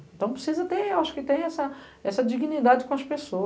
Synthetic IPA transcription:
ẽt̪ɐ̃w̃pɾesizɐt̪ẽewaʃʊ̥kɪt̪ẽj̃ɛsɐ | ɛsɐd͡ʒiɡinid̪ad͡ʒɪkõɐspeso

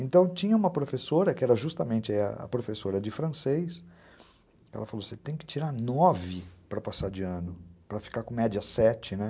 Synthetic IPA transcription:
ẽnt̪ɐ̃w̃t͡ʃĩɲɐũmɐpɾofesoɾɐkɪɛɾɐʒust̪ɐmẽnt͡ʃɪaiɐ̰ɐ̰pɾofesoɾɐd͡ʒɪfɾɐ̃sejs | kɛ̰lɐfaloset̪ẽj̃kɪ̥t͡ʃiɾanɔvɪpɾɐpasaɾd͡ʒɪɐ̃nʊpɾɐfi̥kaɾkõmɛd͡ʒiɐsɛt͡ʃɪnɛ

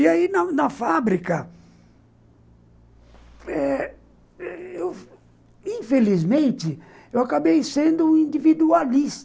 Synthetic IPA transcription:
iainɐnɐfabɾikɐ | ɛ | ɛew | ĩfelizmẽnt̪ɪ | ewakabejsẽnd̪ʊ̃ĩnd͡ʒ̪ivid̪ualist̪

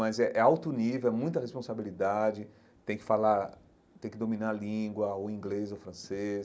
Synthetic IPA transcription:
ɐzɛʔɛawt̪ʊnivewɛmũj̃t̪ɐhespõsabilid̪ad͡ʒɪ | t̪ẽj̃kɪ̥falaɾ | t̪ẽj̃kɪd̪omĩnaɾlĩɡwɐoĩɡlezofɾɐ̃sez

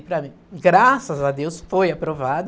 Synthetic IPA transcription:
pɾɐmĩɡɾasɐzad̪ewsfojapɾovad̪ʊ

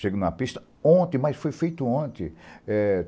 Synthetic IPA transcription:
ʃeɡũɐpist̪ɐ̥ | õt̪ẽmajsfojfejt̪ʊõt̪ḛ̃ɛ

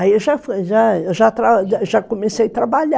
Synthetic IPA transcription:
aiewʒafoʒaewʒat̪ɾaʒakomesejat̪ɾabaʎa

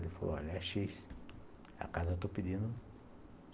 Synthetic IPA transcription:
lɪfalo̰a̰laʃis | ɐ̰kazɐewt̪opid̪ĩnd̪ʊ

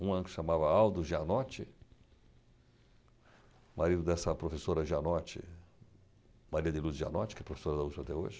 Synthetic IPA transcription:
ũɐ̃nkʃamavɐawd̪ʊʒanɔt͡ʃɪ | maɾid̪ʊd̪ɛsɐpɾofesoɾɐʒianɔt͡ʃɪ̰ | maɾiɐd̪ɪluzʒia̰nɔt͡ʃɪ̥kɛpɾofe̥soɾɐd̪ɐuspɾat̪ɛo̰ʒɪ

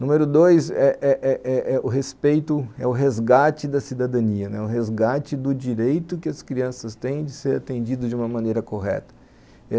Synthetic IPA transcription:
nũmeɾʊd̪ojsɛʔɛʔɛʔɛʔɛʊɦespejt̪ʊɛʊɦezɡat͡ʃɪd̪ɐsid̪ad̪ɐ̃niɐnɛ̰ʊɦezɡat͡ʃɪd̪ʊd͡ʒiɾejt̪ʊkɪɐskɾiɐ̃sɐst̪ẽj̃d͡ʒɪseɾat̪ẽnd͡ʒid̪ʊd͡ʒɪũmɐmɐ̃nejɾɐkoɦɛ̰t̪ɐ̥ | ɛ

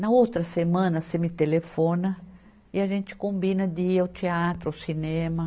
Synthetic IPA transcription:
nɐowt̪ɾɐsemɐ̃nɐsemit̪elefõnɐ | iaʒẽnt͡ʃ̪ɪ̥kõmbĩnɐd̪iɐwt͡ʃ̪iat̪ɾʊɐwsinẽmɐ

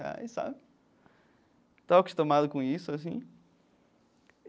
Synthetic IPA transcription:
a̰jsa̰bɪ | t̪aɐku̥ʃt̪omaðʊkõisuɐsḭ̃

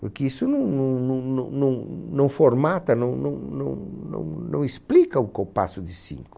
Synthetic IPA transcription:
pʊɾkɪisʊnɐ̃w̃nɐ̃w̃nɐ̃w̃nɐ̃w̃nɐ̃w̃nɐ̃w̃foɾmat̪ɐnɐ̃w̃nɐ̃w̃nɐ̃w̃nɐ̰̃w̃nɐ̰̃w̃esplikɐʊkowpa̰sʊd̪ɪsḭ̃ŋkʊ

